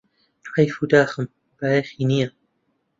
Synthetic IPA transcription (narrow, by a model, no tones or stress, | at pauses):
ajfud̪aːxɨm | b̥aːjexinija